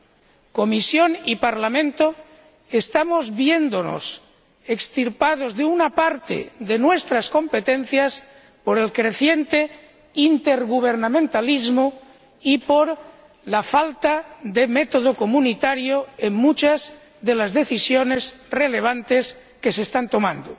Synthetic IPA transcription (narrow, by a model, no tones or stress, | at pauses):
ko̞misjo̞nipaɾlamẽnt̪o | est̪amozβje̞nd̪ono̰s | ekst̪iɾpað̞o̞zðeunapaɾt̪ḛðe̞nwe̞st̪ɾasko̞mpet̪en̟θjas | po̞ɾe̞lkɾe̞θje̞nt̪e | int̪eɾɣuβ̞eɾnamẽnt̪alizmo | ipoɾ | lafalt̪aðemet̪oð̞okomunit̪aɾjoeŋmut͡ʃaz | ðe̞lazðe̞θisjone̞zrele̞β̞ant̪es | ke̞sest̪ant̪o̞mãnd̪o